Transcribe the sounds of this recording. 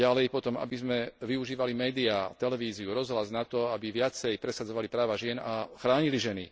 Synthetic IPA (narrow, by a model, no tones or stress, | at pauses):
alɛjpɔt̪ɔma̰bizmɛʋiuʒiːʋalimɛːd̪iat̪ɛlɛʋiːziuɾɔzɦlaznat̪ɔabiʋɪat͡sɛjpɾɛsad͡zɔʋalipɾaːʋaʒɪɛnaxɾaːɲiliʒɛni